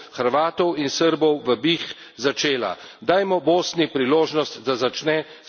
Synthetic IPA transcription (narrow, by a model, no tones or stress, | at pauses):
xəɾʋaːt̪ɔwinsəɾbɔwʋəbix | zat͡ʃeːla̰ | d̪aːjmɔboːsnipɾiloːʒnɔst̪d̪azat͡ʃnɛ